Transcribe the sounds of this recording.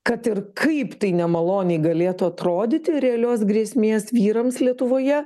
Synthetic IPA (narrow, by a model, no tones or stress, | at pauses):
kɐt̪ɪrkʰɐɪpt̪ɐɪnʲɛmɐlˠoːnʲɛɪɡɐlʲeːt̪ʊɐt̪ɾoːd̪ʲɪt̪ʲɪɾʲɛɐlʲoːsɡɾʲiɛsʲmʲeːsʋʲiːɾɐmslʲiɛt̪ʊʋoːjɛ